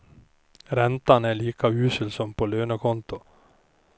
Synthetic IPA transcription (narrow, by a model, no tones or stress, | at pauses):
ɾɛnt̪ɑnæɭiːkʰaʉːsʏlsɔmpʰoːløːnəkʰɔnt̪ʊ